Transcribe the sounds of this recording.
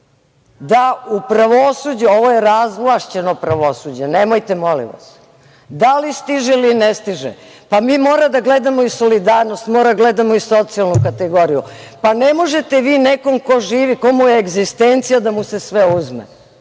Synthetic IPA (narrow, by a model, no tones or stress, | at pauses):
d̪aupɾaʋosud͡ʑuo̞ʋojeɾazʋlˠaʃt͡ɕeno̞pɾaʋosud͡ʑenemojt̪emo̞lḭʋa̰s | d̪alist̪iʒelinest̪iʒɛ̰ | pamiːmoːɾad̪aɡle̞d̪amo̞iso̞lid̪aːɾno̞st̪moɾaɡled̪amoiso̞t̪sialnukat̪eɡo̞ɾijṵpanemoʒe̞t̪eʋiːneko̞mko̞ʒiːʋiko̞mujeːɡzist̪ent̪sijad̪amuse̞sʋeuzmḛ